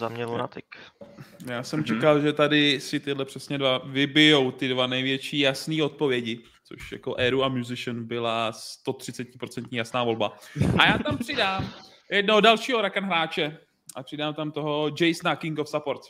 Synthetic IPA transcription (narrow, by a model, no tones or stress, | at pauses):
zamɲɛluna̰t̪ɪk | jaːsɛmt͡ʃɛkalʒɛt̪adɪsɪt̪ɪdlɛpr̥ɛsɲɛdvavɪbɪjowt̪ɪdvanɛjvjɛt͡ʃiːjasniːo̞t̪̚po̞vjɛɟɪ | t͡so̰ʃja̰ko̞ʔɛːɾuamjuzɪʃənbɪlast̪o̞t̪r̝̥ɪt͡sɛcɪpɾo̞t͡sɛnt̪ɲiːjasnaːvo̞lbaʔajaːt̪ampr̥ɪdaːm | jɛd̚noɦodalʃiːɦoɾakanɦɾaːt͡ʃɛ | ʔapr̥ɪdaːmt̪amt̪oɦo̞d͡ʒɛjsnakɪŋɡofsapoɾt̪